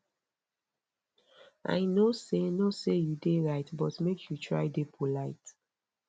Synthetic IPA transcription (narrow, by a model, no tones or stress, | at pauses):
ʔa̰ɪnosenosejudeɹaɪtbɔtmekʰjutʰɹa̰ɪdepʰolaɪt